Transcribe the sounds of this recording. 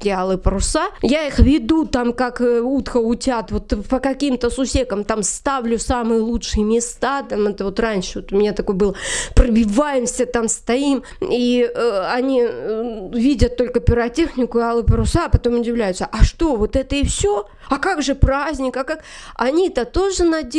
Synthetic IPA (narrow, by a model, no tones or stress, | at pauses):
tʲɪalˠɨpəɾʊsajaixvʲɪd̪ut̪amkakut̪xəʊtʲat̪vo̞t̪pəkɐkʲimt̪əsʊsʲekəmt̪amst̪avlʲʊsamɨjəlˠutʂɨjəmʲɪst̪at̪amɛt̪əvo̞t̪ranʲʂɨvot̪ʊmʲɪnʲat̪ɐko̞jbɨlˠəprəbʲɪvajɪmsʲət̪amst̪ɐim | iɐnʲi | vʲidʲət̪̚ːo̞lʲkəpʲɪɾɐtʲexnʲɪkʊɪalˠɨpɪɾʊsaːpɐt̪o̞mʊdʲɪvlʲæjʊt̪səʔɐʂt̪o̞vo̞t̪ɛt̪əifsʲo | ɐkaɡʐɨpɾazʲnʲɪkɐkak | ɐnʲit̪ət̪o̞ʐɨnɐdʲ